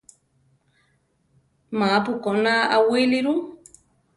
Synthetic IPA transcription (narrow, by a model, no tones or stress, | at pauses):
mapukonaawiliɾu